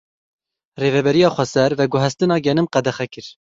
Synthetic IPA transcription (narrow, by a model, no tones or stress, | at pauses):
reːvɛbɛɾijɑːxʷɛsɛɾvɛɡʊɦɛst̪ɨnɑːɡɛnɨmqɛd̪ɛxɛkɨɾ